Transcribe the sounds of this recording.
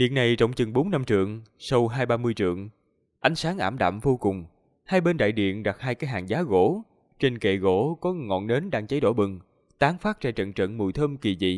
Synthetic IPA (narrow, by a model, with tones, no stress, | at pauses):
ɗḭ˧˨ənːa˨˩jt͡ɕə˧˨wŋ͡mt͡ɕɨ˨˩ŋɓo˨˦nːa˧mt͡ɕɨ̰˧˨əŋsə˧wɦaː˧jɓaː˧mɨ˧əjt͡ɕɨ̰˧˨əŋ | ʔa˨˦jŋ̟saː˨˦ŋʔaː˧˩mɗa̰ː˧˨mvo˧kʊ˨˩ŋ͡m | haː˧jɓe˧nɗa̰ː˧˨jɗḭ˧˨ənɗa˨˩k̚haː˧jkaː˨˦jɦa̰ː˨˩ŋzaː˨˦ɣo̰˧˥ | t͡ɕe˧nkḛ˧˨ɣo̰˧˩˥kɔ˨˦ŋɔ̰˧˨nne˨˦nɗaː˧ŋt͡ɕə˨˦jɗo̰˧˩ɓɨ˨˩ŋ | t̪aː˨˦ŋfaː˦˥t̚t͡ɕaː˧˩jt͡ɕə̰˧˨nt͡ɕə̰˧˨nmṵ˧˨jt̪ʰəː˧mki˨˩zḭ˧˨